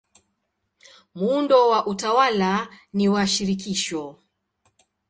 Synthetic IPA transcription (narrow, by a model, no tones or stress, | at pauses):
mundɔwaʔutawalaniwaʃiɾik̬iʃɔ